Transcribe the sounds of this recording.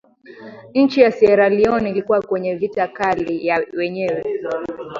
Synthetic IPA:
n̩t͡ʃijasɛɾaliɔnilikuwakwɛɲɛvitakalijawɛɲɛwɛ

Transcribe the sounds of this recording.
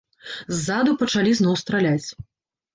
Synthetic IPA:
zːad̪upɐt͡ʂalʲiznɔwst̪ɾalʲat͡sʲ

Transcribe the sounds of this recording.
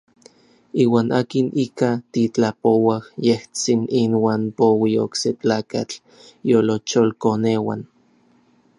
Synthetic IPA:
iːwaːnʔaːkinʔikat̪it͡ɬapowahjeht͡sininwaːnpowio̰kset͡ɬaːkat͡ɬ | jolot͡ʃolkoneːwa̰n

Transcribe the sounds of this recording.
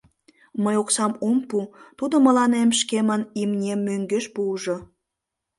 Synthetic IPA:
məjoksɑmumput̪ud̪omə̆lɑnemʃkemənimnʲemːøŋɡeʃpuʒo

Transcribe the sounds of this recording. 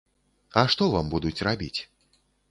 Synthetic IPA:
ɐʂt̪ɔvambud̪ut͡sʲrabʲit͡sʲ

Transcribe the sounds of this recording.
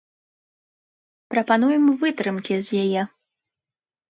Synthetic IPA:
pɾɐpan̪ujɛmvɨt̪ɾɨmkʲizʲjajɛ

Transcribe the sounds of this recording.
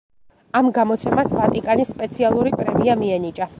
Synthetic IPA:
amɡamɔt̪sʰɛmasvat̪ʼikʼanisːpʼɛt̪sʰialˠuɾipʼɾɛmiamiɛnit͡ʃʼa

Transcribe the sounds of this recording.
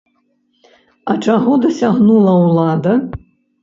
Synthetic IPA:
ɐt͡ʂaɣɔd̪ɐsʲaɣnulˠɐwlˠad̪ɐ

